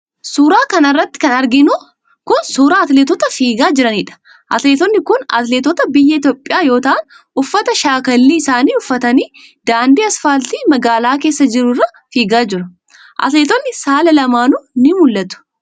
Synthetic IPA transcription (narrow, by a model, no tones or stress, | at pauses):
suːɾaːkɐnɐrːɐt̪ːɪ̥kɐnɐɾɡɪnu | kʊnsuːɾaːɐt̪leːt̪ɔt̪ɐfiːɡaːd͡ʒɪɾɐniːᶑɐ̥ | ʔɐt̪leːt̪ɔnːɪkʊnɐ̰t̪leːt̪ɔt̪ɐbɪjːɐɪt̪joːpʼːɪjaːjo̞ːt̪ɐʔɐn | ʊfːɐt̪ɐʃaːkɐlːiːɪsaːniːʊfːɐt̪ɐniː | d̪aːnd̪iːɐsfaːlt̪iːmɐɡaːlaːkeːsːɐd͡ʒɪɾʊrːɐ | fiːɡaːd͡ʒɪɾɐ | ʔɐ̰t̪leːt̪ɔnːɪsaːlɐlɐmaːnunɪmʊlːɐt̪ʊ̥